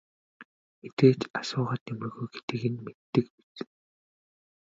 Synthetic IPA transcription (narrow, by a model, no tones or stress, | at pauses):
met̪eːt͡ɕasʊːʁaːt̪emɘ̆rɣujɡe̥t̪ɘ̆ɣɘ̆nmet̪ːɘ̆kpi̥t͡s